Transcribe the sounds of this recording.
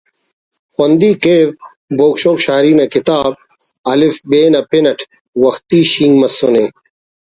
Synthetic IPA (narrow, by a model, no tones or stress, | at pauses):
xɐnd̪iːkeːʋ | boːkɕoːkɕaːɾiːnɐkit̪aːb̚ | ɐlifbeːnɐpenɐʈʰ | wɐxt̪iːɕĩŋɡmɐsoneː